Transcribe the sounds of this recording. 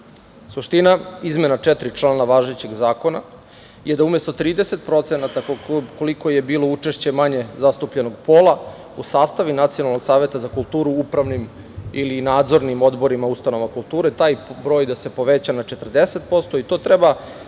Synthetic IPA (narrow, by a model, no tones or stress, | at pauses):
suʃt̪inaizme̞nat͡ʃɛt̪ɾit͡ʂlˠaːnaʋaʒet͡ɕe̞ɡzaːko̞na | jed̪aume̞st̪o̞t̪ɾiːd̪ese̞t̪pɾo̞t̪se̞nat̪akolikoje̞biːlo̞ut͡ʂeʃt͡ɕe̞maɲe̞zast̪upʎe̞noɡpo̞ːlˠa | usaːst̪aʋinat̪sijonalnoɡsaːʋe̞t̪azakulˠt̪uːɾuupɾaʋnim | ilinaːd̪zo̞ɾnimo̞d̪bo̞ɾimaust̪ano̞ʋakulˠt̪uːɾet̪aːjbɾo̞ːjd̪ase̞po̞ʋet͡ɕanat͡ʃet̪ər̩d̪ese̞t̪̚po̞st̪o̞it̪o̞ːt̪ɾeba